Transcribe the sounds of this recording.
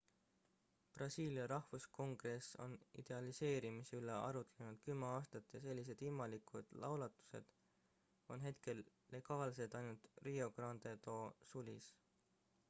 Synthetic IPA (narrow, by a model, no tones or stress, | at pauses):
prɑsiːliɑɾɑhvusko̞ŋɡ̥re̞so̞̰nḭd̪̥e̞ɑlise̞ːɾimiseyleʔɑ̰ɾut̪ːˑele̞nud̪̥kymːeɑːst̪ɑt̪ːˑese̞lʲːis̬e̞d̪ilmɑlikˑud̪̥lɑ̰wlɑt̪ːˑu̥se̞̰d̪̥ | o̞nɦe̞t̪ke̞lː | e̞ɡ̥ɑːlse̞t̪ɑjnult̪rio̞ɡ̥rɑnd̪e̞t̪o̞ːsulʲis